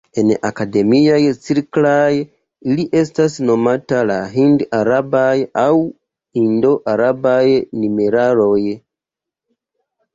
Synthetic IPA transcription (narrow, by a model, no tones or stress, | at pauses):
e̞na̰kade̞miajt͡siɾklaj | iliʔe̞stasno̞matalaɦindaɾabajaw | indo̞ʔaɾabajnimeɾaɾo̞j